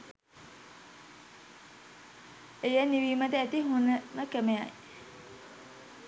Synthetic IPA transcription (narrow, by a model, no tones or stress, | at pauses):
ejaniʋimət̪əæt̪iɦunəməkæmeja̰j